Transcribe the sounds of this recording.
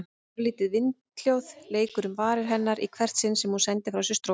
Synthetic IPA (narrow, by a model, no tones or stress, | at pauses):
ɾliːt̪ɪðvɪnt̪ljowðleːjkʏɾʏmvaːɾɪɾ̥ɦɛnːaɾḭkʰvɛr̥t̪sɪnsɛmhunsɛnt̪ɪfɾawsɛɾ̥st̪ɾo